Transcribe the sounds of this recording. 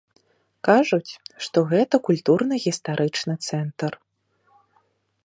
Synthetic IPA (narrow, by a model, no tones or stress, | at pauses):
kaʐut͡sʲʂt̪ɔɣɛt̪ɐkulʲt̪urnɨɣʲist̪aɾʔɨt͡ʂnɨt̪sɛnt̪r